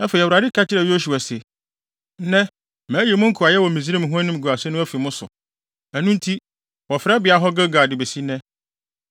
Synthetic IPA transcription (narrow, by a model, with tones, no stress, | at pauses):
ɛ˦fe˨i˨wu˨ɾa˨dɪ˦kʰa˦t͡ɕʰɪ˦ɾɛ˨jo˦s̬u˨a˨se˨˦ | nɛ̃˦ | mæ̃ː˨˦ji˨mʊ̃˦ŋ̩˦kʰu˨a˨jɛ˦wɔ˨mĩ˨zi˦ɾi˦m˨ɦʊ̃˦æ˦nĩ˦m˨ɡu˨a˨sɛ˦nʊ̃˦æ˦fi˨mʊ̃˦sʊ̰˨ | æ˨nũ˦n̩˦tʰi˦ | wɔ˨fɾɛ˦bɪ˨˦a˨ɦɔ˦ɡa˦ɡa˨dɪ˨be˨si˦nɛ̃˦